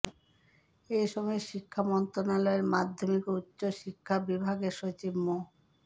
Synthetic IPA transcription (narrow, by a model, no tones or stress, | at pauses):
ejʃɔmɔeʃikʰːamɔnt̪ɾonalɔeɾmad̪ʱːomikutːɕoʃikʰːabibʱaɡeɾʃot͡ɕibmo